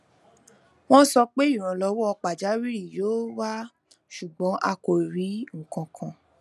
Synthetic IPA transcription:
w̃ɔ̃˦sɔ˧k͡pe˦i˦˨ɾ̃ɔ̃˨lɔ˧˦wɔ˦ɔ˧k͡pa˨d͡ʒa˨˦ɾi˦ɾi˦˨joː˨˦wa˦ | ʃu˨ɡ͡bɔ̃˨˦ʔa˧ko˨ɾi˨˦ŋ̩˨kã˨˧kʰã˨

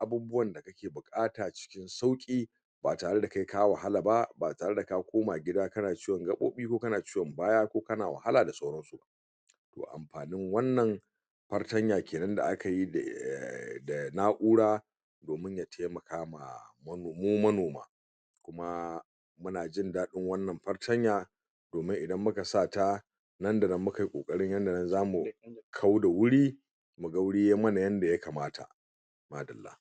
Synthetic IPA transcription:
ʔa˨buː˦bʊ˦wɐ˨nda˨kɐ˦kʲeː˨bʊ˨kʼaː˦taː˨t͡ʃɪ̥˦kʲɪ˦nsa˦wkʲʼiː˦ | baː˨taː˨ɽe˦da˨ka˦jkaː˦wa˨ɦa˦la˨ba˦baː˨taː˨ɽe˦da˨ka˦kʷoː˦maː˨ɡʲɪ˦daː˦kɐ˦naː˨t͡ʃiː˦wɐ˨ŋɡɐ˦ɓo̰ː˦ɓiː˦kʷoː˦kɐ˦naː˨t͡ʃiː˦wɔ˨mbaː˦jaː˦kʷoː˦kɐ˦naː˨wɐ̰˨ha˦laː˨da˨sa˦wɽɐ˦nsu˨ba̰˦ʔ | to̰ː˨ʔa̰˨mɸaː˨nɪ˦ŋwɐ˦nːɐ˨ŋ | ɸɐ˦rtɐ˦ɲjaː˨kʲeː˨nɐ˦nda̰˨ʔa˦ka˨ji˦˨ | da˨naː˦ʔuː˦ɽaː˦ | doː˨mɪ˦ɲja˨tʰeː˦mɐ˨kaː˦ma̰˨mɐ˦˨moː˦mɐ˦noː˨ma̰ː˦ | kʷʊ˦ma˦ | mʊ˦naː˨d͡ʒɪ˦ndaː˦ɗɪ˦ŋwɐ˦nːɐ˨mɸɐ˦rtʰɐ˦ɲjaː˨ | d̥oː˨mɪ˦ŋʔɪ˨dɐ˦mːʊ˦ka˨saː˦˨ta˦ | nɐ˦nda˨nɐ˦mːʊ˦ka˨ji˦kʷʼo̰ː˨kʼɐ˦ɽɪ˦ɲjɐ˦nda˨nɐ˦nzaː˦mu˨kʰa˦wda˨wʊ˦ɽiː˦ | mu˨ɡɐ˦wɽɪ˦jeː˦mɐ˦na˨jɐ˦nda˨ja˦kaː˨maː˦tʰa̰˨ | maː˦dɐ˨lːa̰ː˦h

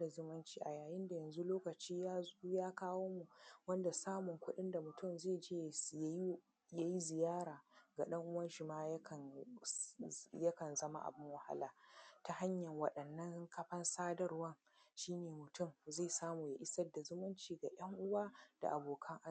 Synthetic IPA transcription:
a˨zʊ˦mɐ˦nt͡ʃiː˨ʔa˨jaː˨jɪ˦nda˨jɐ˨nzu˦loː˦kɐ˨t͡ʃiː˦jaː˦zu˦jaː˦kaː˦woː˦mu˨wɐ˦nda˨saː˦mʊ˨ŋkʷʊ˦ɗɪ˦nda˨mʊ˨tʊ˦˨mzeː˦˨d͡ʒeː˦˨j | ja˦ji˦zɪ˨jaː˦ɾaː˨ɡa˨ɗɐ˦ŋʔʊ˦wɐ˦nʃɪ˨maː˦jkɐ˨n | jɐ˦kɐ˨nzɐ˦ma̰˨ʔa̰˨bɪ˦ŋwɐ˨ha̰˦laː˨ta˨ha˦ɲjɐ˨ŋwɐ˨ɗɐ˨nːɐ˦ŋkɐ˦ɸɐ˦nsaː˦dɐ˦rwɐ˦ŋ | ʃiː˦neː˨mʊ˨tʊ˦˨mzeː˦˨saː˦muː˨ja̰˨ʔɪ˦sɐ˦dːa˨zʊ˦mɐ˦nt͡ʃiː˨ɡa˨j̰ɐ˦ŋʔʊ˦waː˦d̥a̰˨ʔa˨boː˨kʰɐ˦ŋʔa˦˨

